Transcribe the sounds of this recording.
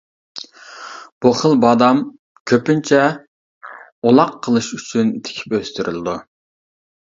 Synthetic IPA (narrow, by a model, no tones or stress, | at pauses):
b̥uχəlˠbɑːd̪ɑm | kʲʰøpynt͡ʃʰɛ | olˠɑqʰːəlˠɨʃyt͡ʃʰynt̪ʰɪ̥kʲʰi̥pøst̪yɾylˠɪd̪u